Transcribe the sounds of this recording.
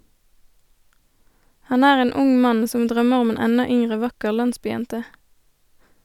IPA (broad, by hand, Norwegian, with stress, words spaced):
ˈhɑn ˈæːʁ ˈeːn ˈʊŋ ˈmɑn ˈsɔm ˈdʁœməʁ ˈʊm ˈeːn ˈɛnɑ ˈʏŋʁə ˈʋɑkəʁ ˈlɑnsbyːˌjɛntə